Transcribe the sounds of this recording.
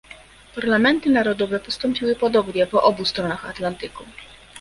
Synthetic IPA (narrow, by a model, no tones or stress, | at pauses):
paɾlamɛnt̪ɘnaɾɔd̪ɔvɛpɔst̪ɔmpʲiwɘpɔd̪ɔbɲɛpɔʔɔbust̪ɾɔnaxat̪lant̪ɘku